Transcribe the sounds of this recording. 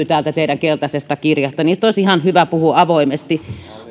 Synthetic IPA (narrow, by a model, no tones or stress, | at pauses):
t̪æːlt̪æt̪eˑiɾæŋkelt̪ɑsest̪ɑkirjɑst̪ɑniːst̪oˑisihɑnhyʋæpuhuɑʋoimest̪i